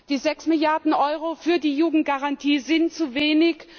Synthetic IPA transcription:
d̥iːzɛksmɪljaɐdn̩ʔɔʏʁ̞ofyːɐdiːjuːɡŋ̩t̚ɡ̥aʁantʰiːzɪntt͡suveːnɪç

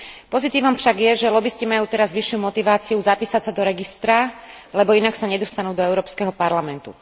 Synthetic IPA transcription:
pɔzit̪iːʋɔmfʃaɡjɛʒɛlɔbiscimajuːt̪ɛɾazʋiʃːɪumɔt̪iʋaːt͡siuzapiːsasad̪ɔɾɛɡist̪ɾalɛbɔinaksaɲɛd̪ɔst̪anuːd̪ɔɛʊɾɔːpskɛɦɔpaɾlamɛnt̪ṵ

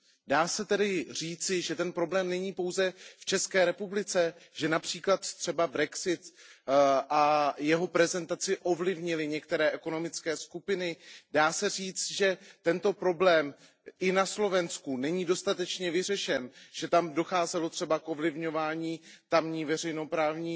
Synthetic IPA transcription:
daːsɛt̪ɛdɪr̝iːt͡sɪʒɛt̪ɛnpɾo̞blɛːmnɛɲiːpo̞wzɛft͡ʃɛskɛːɾɛpublɪt͡sɛʒɛnapr̝̥iːklat̪t̪r̥ɛbabɾɛksɪt̪ | ʔajɛɦo̞pɾɛzɛnt̪at͡sɪʔo̞vlɪvɲɪlɪɲɛk̚t̪ɛɾɛːʔɛko̞no̞mɪt͡skɛːskupɪnɪdaːsɛriːt͡st̪ʒɛt̪ɛnt̪o̞pɾo̞blɛːm | ʔɪnaslo̞vɛnskunɛɲiːdo̞st̪at̪ɛt͡ʃɲɛvɪr̝ɛʃɛnʒ̥ɛt̪amdo̞xaːzɛlo̞t̪r̥ɛbakʔo̞vlɪvɲo̞vaːɲiːt̪amɲiːvɛr̝ɛjno̞pɾaːvɲiː

